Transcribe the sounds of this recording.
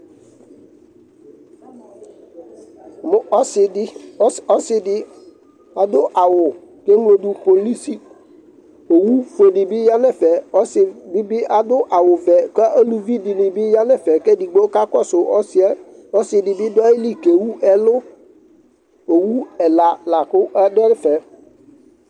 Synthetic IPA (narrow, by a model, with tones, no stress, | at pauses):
mʊ˦ʔɔ˦sɪ˨ɪ˦ɔ˦sɪ˨dɪ˦ | a˨dʊ˦ʔa˨wʊ˨ | ke˦ŋlo˨dʊ˨po˨li˦si˦ | o˨wu˦fo˨dɪ˨bɪ˦ja˦nɛ˦fɛ˨ɔ˦sɪ˨bɪ˦bɪ˦a˨dʊ˦ʔa˨wʊ˨vɛ˨kɔ˦ʔo˦lu˦vi˦dɪ˨nɪ˨bɪ˦ja˦nɛ˦fɛ˨kɛ˦dɪ˨ɡ͡bo˦ka˦kɔ˦sʊ˨ɔ˦sɪ˦ɛ˦ | ɔ˦sɪ˨dɪ˨bɪ˦dʊ˦a˦i˦li˦ke˨wu˦ʔɛ˦lʊ˦ | o˨wu˦ɛ˨la˨la˨kʊ˦ʔa˦dɛ˦ɾɪ˦fɛ˨